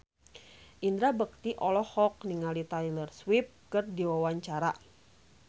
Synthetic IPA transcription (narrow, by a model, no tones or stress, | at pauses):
ʔind̪ɾabək̚t̪iʔɔlɔhɔk̚niŋalit̪ajlərswip̚kɨrdiwawaɲt͡ʃaɾa